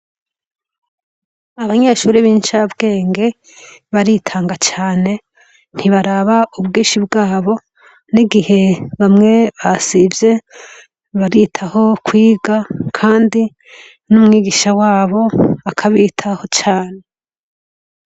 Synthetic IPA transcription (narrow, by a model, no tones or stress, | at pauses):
aβaɲe̞ʃuːɾiβiːnt͡ʃabɡe̞ːŋɡe̞ | βaɾitʰaːŋɡat͡ʃaːne̞ | n̥hiβaɾaβaubɡiːnʃibɡaːβo̞ | niɡihe̞βamŋe̞βasibje̞ | βaɾitʰaho̞kwiːɡakʰaːndi | numŋiːɡiʃawaːβo̞akʰaβitʰaho̞t͡ʃaːne̞